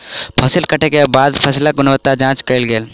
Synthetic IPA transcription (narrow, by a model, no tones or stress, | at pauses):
pʰəsɪlkəʈekebaːd̪pʰɐslaɡʊnʋət̪ːad͡ʒãːt͡ʃkəilɡeːl